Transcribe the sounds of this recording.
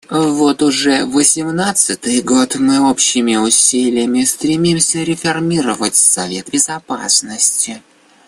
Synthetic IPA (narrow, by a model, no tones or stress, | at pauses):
vo̞t̪ʊʐɛvəsʲɪmnat̪sɨt̪ɨjɡo̞t̪mɨopɕːɪmʲɪʊsʲilʲɪjəmʲɪst̪ɾʲɪmʲimsʲəɾʲɪfɐrmʲiɾəvətʲsɐvʲe̞t̪̚bʲɪzɐpa̰snəsʲtʲɪ